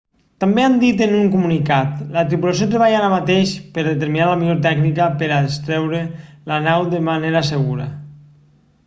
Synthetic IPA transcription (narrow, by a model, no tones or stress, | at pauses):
t̪ambeand̪it̪enuŋkumunikat̪lat̪ɾipulasjot̪ɾeβaʎaaɾamat̪eʃpəɾðet̪eɾminaləmiʎoɾt̪ɛknikəpəɾast̪ɾɛwɾelanawd̪emaneɾaseɣuɾə̰